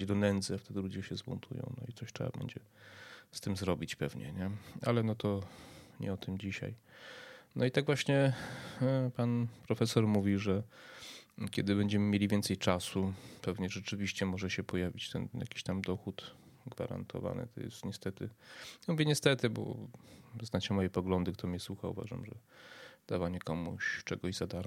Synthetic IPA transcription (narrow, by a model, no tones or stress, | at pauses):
d̪ɔnɛnd̪zɘaft̪ɛd̪ɘlud͡ʑɛɕɛzbunt̪ʰujɔ̰̃w̃nɔ̰it̪sɔɕtʂɛ̰ba̰bɛ̰ɲd͡ʑɛ | st̪ɘmzɾɔbʲit͡ɕpɛvɲɛ̰ɲɛalɛnɔt̪ɔɲɛ̰ɔt̪ɘmd͡ʑiɕa̰j | nʔɔ̰it̪aɡvwaɕɲɛ | panpɾɔfɛsɔɾmuvʲiʐɛ | kʲɛd̪ɘbɛɲd͡ʑɛmɘmʲjelʲivʲɛnt̪sɛjt͡ʂasupɛvɲɛʐɛt͡ʂɘvʲiɕt͡ɕɛmɔʐɛɕɛpɔjavʲit͡ɕt̪ɛ̰nja̰kʲi̥ɕt̪amd̪ɔxut̪ɡva̰ɾa̰nt̪ʰɔ̰va̰nɘ̰t̪ɔ̰jɛ̰st̪ɲɛst̪ɛt̪ɘamuvʲjɛɲɛst̪ɛt̪ɘbɔ̰ | znat͡ɕɛmɔjɛpɔɡlɔnd̪ɘkt̪ʰɔmɲɛswuxaṵva̰ʐa̰mʐɛ̰d̪̥avaɲɛkɔmṵɕt͡ʂɛɡɔʑzad̪aɾ